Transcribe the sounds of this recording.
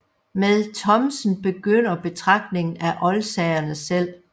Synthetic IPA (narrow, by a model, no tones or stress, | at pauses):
meðˠt͡sʰɒ̽msn̩b̥e̝ɡ̥øn̰ɐb̥e̝t͡sʰʁɑ̈ɡ̥̚d̥ne̝ŋn̩æʔɒ̽lsɛɪɐnəsel̰